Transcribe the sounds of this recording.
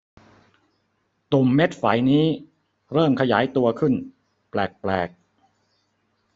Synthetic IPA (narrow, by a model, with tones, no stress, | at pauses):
t̪u˨˩mːe˦˥t̪̚fa̰˩˦jniː˦˥ | ɾɤː˥˩mkʰa˧jaː˩˦jt̪u˧ɐkʰɯ˥˩n | plɛː˨˩k̚plɛ̰ː˨˩k̚